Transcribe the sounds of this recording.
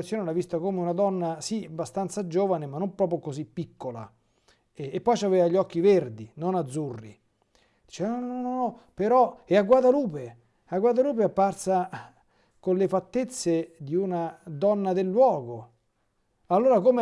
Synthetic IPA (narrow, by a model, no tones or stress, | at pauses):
t̪sjoːnelavist̪akoːmeunad̪ɔnːasiabast̪ant̪sad͡ʒoːvanemanːompɾɔːpɾjokozipːikːola̰ | ɛːpːɔjt͡ʃaveːvaʎːɔkːiverd̪inonad̪zːurːḭ | d̪̥i̥t͡ʃɛanɔnnnɔnɔnɔpeɾɔɛaɡwad̪aluːpe | aɡwad̪aluːpeapːarsa | konlefat̪ːet̪sːed̪iunad̪ɔnːad̪elːwɔːɡo | alːoːɾakom